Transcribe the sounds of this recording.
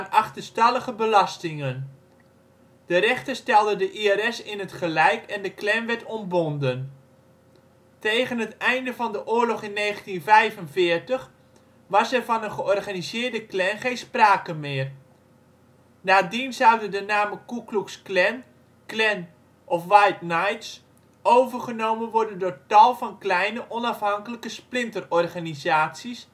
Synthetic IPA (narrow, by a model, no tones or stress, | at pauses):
anɑχtəstɑləɣəbəlɑstɪŋən | d̥ərɛχtəstɛlˠdədəʔiɛɾɛsɪnɦətχəlɛjkʰɛndəklɛnʋɛtɔmbɔndən | tejχənɦətɛjndəvɑndəʔʊːɹlɔχɪnːejχəntinvɛjvənvɪːərtəχ | ʋɑsɛvɑnənχəʔɔrχaːnizɪːɹdəklɛnχejnspraːkənmɪːər | naːdinzawdədənaːməkukluksklɛn | klɛn | ʔɔfʋajtnajts | owvərχənowmənʋɔɹdəndʊːɹtɑlˠvɑnklɛjnəʔɔnɑfɦɑŋkələkəsplɪntərɔrχanizaːtsis